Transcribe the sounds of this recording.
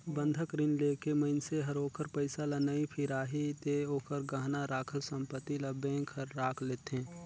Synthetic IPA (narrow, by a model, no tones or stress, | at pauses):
bə̃nd̪ʱəkɾɪnleːkeməɪnseɦɐɾoːkəɾpəɪsalanaipʰɪɾaːɦit̪eoːkʰəɾɡaːɦnaɾaːkʰəlsə̃mpət̪ːilɐbẽːŋkhəɾːaːkʰleːt̪eɦɛ̃ː